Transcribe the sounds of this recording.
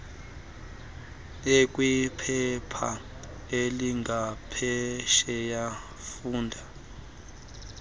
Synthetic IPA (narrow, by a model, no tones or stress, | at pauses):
ekʼwipʰɛpʰa̰ | eliŋɡʱapʰɛʃɛja | fuːndʱa